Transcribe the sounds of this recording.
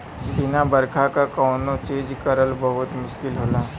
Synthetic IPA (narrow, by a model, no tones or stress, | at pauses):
bɪnabɐɾkʰakakaːnõt͡ʃẽːd͡ʒkɐɾəlbɐɦʊt̪mʊʃkɪlɦoːlaː